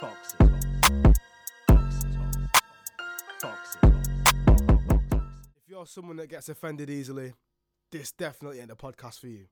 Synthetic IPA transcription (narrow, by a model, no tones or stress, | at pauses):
tʰɔksɪtwɔ̃ | ɔksɪtɔ̰̃ | fʰɔksɪtwɔɔəbɔɔksɪfjəəsʊ̃mwɒ̃nðəʔ̚ɡ̥ɛtsɪfɛ̃ndɪɾiːzəli | ðɪsd̥ɛfənəʔliə̃nəpʰɒd̚kʰastfəjʉ